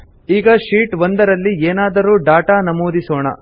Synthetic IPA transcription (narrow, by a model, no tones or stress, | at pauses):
iːɡɐʃiːʈʋond̪ɐɾɐlːieːnaːd̪ɐɾuːɖaːʈaːnɐmoːd̪isoːɳɐ̰